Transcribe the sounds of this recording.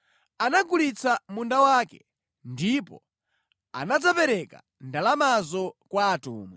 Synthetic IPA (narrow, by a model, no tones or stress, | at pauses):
anaɡulit͡samundawaːkɛ | ndipɔ̰ | a̰nad͡zapɛɾɛka̰ | ndalamazɔkwaːtṵːmwɛ